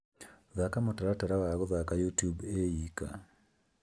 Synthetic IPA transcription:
ðakamotaɾataɾawaɣɔðakajutjubejika̰

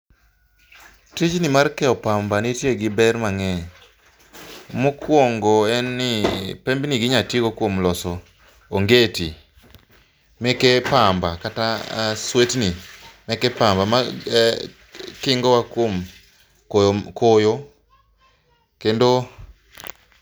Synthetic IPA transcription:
tid͡ʒnimarkɛɔpambanitjeɡɪbɛrmaŋɛ | mukwoŋɡoɛnːɪpembniɡɪɲatiɡokwomlɔsɔː | ŋɡeti | mɛkepambakataswetnimɛkɛpambama | kɪŋɡɔwakwom | kkojo | kendo

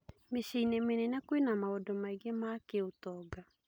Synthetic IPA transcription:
meɕeinemenɛnɛkwenamaodɔmaiɡemakeotɔɡa

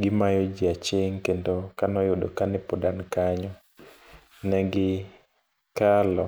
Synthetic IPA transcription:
ɡɪmajod͡ʒiat͡ʃeŋkendokanɔjʊdokanɛpɔdankaɲɔ | nɛɡɪ | kalɔ

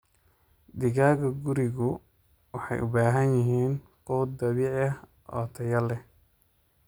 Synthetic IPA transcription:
d̪ɪɣaːɣɐɡʊɾɪɣʊ | wɑħɑ̰jʔʊ̰baːɦɐnjɪɦiːn | qɔːd̪̚d̪ɐβiːʕjɐh | ʔɔ̰ːt̪ʰɐjɐlɛh

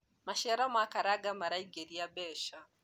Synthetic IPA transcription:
maʃɛɾamakaɾaɡamaɾaiɡeɾiabɛʃa

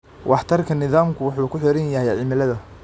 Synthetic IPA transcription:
wʔɑħt̪ʰɐrkʰɐnɪðaːmkʰʊwʊħuːkʰʊħɪɾɐnjɐɦɛjʕɪmɪlɐðɐ

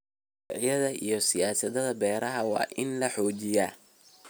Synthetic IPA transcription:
jɐðɐʔijɞsɪjaːsɐðɐðɐbɛːɾɐɦɐwɑ̰ːʔɪnlɐħɔːt͡ʃɪjaː

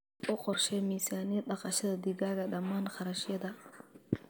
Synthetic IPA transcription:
ʊqɔrʃɛmiːsaːnɪjɛɗɑqɑʃɐðɐd̪ɪɡaːɣɐɗɐmːaːnxɑɾɐʃjɐd̪ɐ

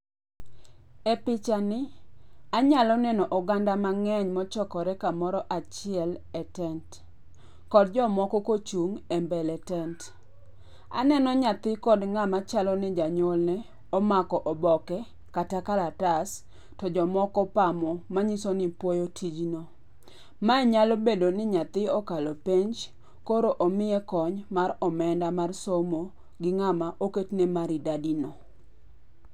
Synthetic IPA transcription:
epɪt͡ʃanɪaɲalɔnɛnɔʔɔɡandamaŋɛɲmɔt͡ʃɔkɔɾɛkamɔɾɔʔat͡ʃɪɛlɛtɛnt | kɔd̚d͡ʒɔmɔkɔkot͡ʃuŋɛmbɛlɛtɛnt | a̰nɛnɔɲat̪ɪkɔdŋamat͡ʃalɔnɪd͡ʒaɲolnɛ | ɔmakɔʔɔbɔkɛ | katakalatas | tɔd͡ʒɔmɔkɔpamɔmaɲisɔnɪpwɔjotʰid͡ʒno | maɛɲalobedonɪɲat̪ɪɔkalopeɲd͡ʒ | koɾoʔomɪjɛkɔɲmaɾɔmɛndamarsomo | ɡɪŋamaʔoketnemaɾɪdadino

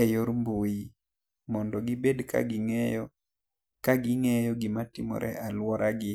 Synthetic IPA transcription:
ɛjoɾmboji | mɔndɔɡɪbedka̰ɡɪŋɛjɔ | kaɡɪŋɛjɔɡɪmatɪmɔ̰ɾʔɛ̰ʔalwɔɾaɡɪ

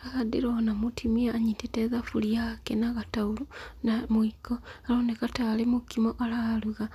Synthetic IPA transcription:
aɣadiɾonamutʰimiaːɲiteteðafuliakenaɣataulunamuikoaɾoːnekataːlemukimoʔalaluɣa

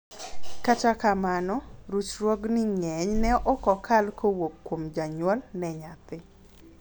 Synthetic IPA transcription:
katakamanɔɾut͡ʃɾwɔɡnɪŋɛɲnɛʔɔkɔkʰalkowokːwomd͡ʒaɲwɔlnɛɲat̪ɪ

